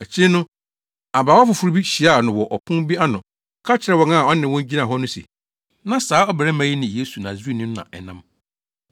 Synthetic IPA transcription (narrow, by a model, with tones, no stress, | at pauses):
ɛ˨t͡ɕʰɪ˦nʊ̃˦ | a˨baː˨wɔ˦fʊ˨fʊ˨ɾu˦bi˦ɕi˨a˦˨nʊ̃˨wɔ˨ʔɔ˨pʰʊ̃˦bi˦a˦nʊ̃˨ | kʰa˦t͡ɕʰɪ˨ɾɛ˦wɔ˨ŋã˦˨ɔ˦nɪ̃˨wɔ̃˦ɲ˦d͡ʑi˦nã˨ɦɔ˦nʊ̃˦sḛ˨ | nã˨saː˨˦ɔ˦bɛ˨ɾɛ˦mã˨˦ji˦nɪ̃˨je˦su˨nã˨zi˦nʊ̃˦m˦nã̰˨ʔɛ˨nã̰˦m